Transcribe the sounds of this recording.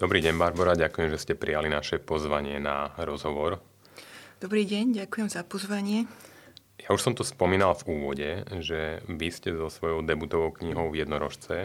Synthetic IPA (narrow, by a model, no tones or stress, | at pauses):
d̪ɔbɾiːɟɛɲbaɾbɔɾaɟakujɛmʒɛscɛpɾʔijalinaʃɛpɔzʋaɲɪɛnaɾɔzɦɔʋɔɾ | d̪̥ɔbɾiːɟɛɲɟakujɛmzapɔzʋaɲɪɛ | jauʃsɔmt̪ɔspɔmiːnalfuːʋɔɟɛʒɛʋiscɛzɔsʋɔjɔʊd̪ɛbut̪ɔʋɔʊkɲiɦɔʊvjɛd̪nɔɾɔʃt͡sɛ